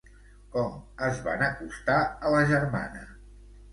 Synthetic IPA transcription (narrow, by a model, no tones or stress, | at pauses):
kɔməzβa̰nəkust̪aələʒərma̰nə̰